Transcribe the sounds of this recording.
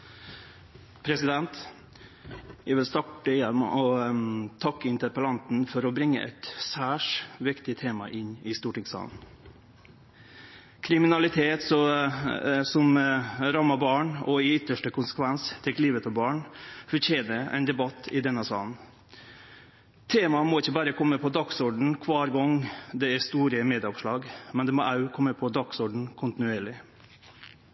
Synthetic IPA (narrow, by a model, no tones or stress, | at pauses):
pʰɾɛsɪd̪ɛnt̪ | jæʋɪlst̪ɑʈəjɛm̰ʔɔt̪ʰɑkːəɪnt̪əɾpəlɑnt̪n̩fɔɾɔbɾɪŋːə̰ʔɛ̰t̪sæːʂʋɪkt̪ɪt̪ʰeːmɑ̰ʔɪnɪst̪uːʈɪŋsɑ̰ːln | kʰɾɪmɪnɑlɪt̪ʰeːt̪sɔ | sɔmɾɑmɑbɑːɳɔɪʏt̪ːəʂʈəkʰʊnsə̥kʰʋɛnst̪ʰɛkliːʋət̪ʰɔbɑːɳfɔɾçʰeːnəɾɛ̰ɪnd̪ɛbɑt̪ʰːɪd̪ɛnːəsɑ̰ːln̩ | t̪ʰeːmɑmɔɪçːəbɑːɾəkʰɔmːəpʰɔd̪ɑksɔɖɳ̩kʰʋɑːɾɡɔŋd̪ɛæɾst̪uːɾəmeːd̪ɪɔpʂɭɑːɡmɛnd̪ɛmɔʔɑʉkʰɔmːəpʰɔd̪ɑksɔɖɳ̩kʰʊnt̪ɪnʉeːɾɭɪ